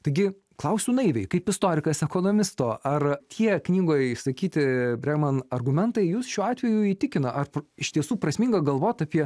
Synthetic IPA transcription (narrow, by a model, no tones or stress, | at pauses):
t̪ɐɪɡʲɪ | klˠɐʊsʲʊnɐɪʋʲɛɪkɐɪpɪst̪oːɾʲɪkɐsɛkonoːmʲɪst̪oːʔɐrt̪ʰʲiɛknʲiːɡoːjɪʃsɐkʲiːt̪ʲɪbʲɾʲɛɡmɐnɐrɡʊmʲɛnt̪ɐɪjuːsʃʲuːɑːt̪ʲʋʲɛjuiːt̪ʲɪkʲɪnɐʔɐrpɪʃt̪ʲiɛsuːpɾɐsmʲiːŋɡɐɡɐlˠʋoːt̪ɑːpʲiɛ